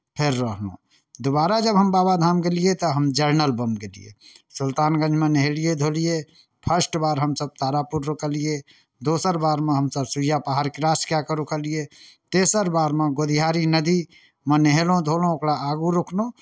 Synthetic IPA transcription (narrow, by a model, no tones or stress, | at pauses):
pʰeɾːəɦlõ̰ | d̪obaɾad͡ʒəbɦəmbabad̪ʱamkelijet̪ɔɦəmd͡ʒəɾnəlbəmkelḭjḛsʊlt̪aːnɡə̃ɲd͡ʒʱmẽneɦelijed̪ʱolije | pʰəsʈbaːɾɦəmsəb̚t̪aɾapuɾːokəlije | d̪osəɾbaɾmẽɦəmsəbsuijapaɦaɾkɾaskjakəɾukəlijet̪esəɾbaɾmeɡod̪ʱiɦaɾinəd̪i | meneɦelõd̪ʱolõokɾaːɡuɾokʰnõ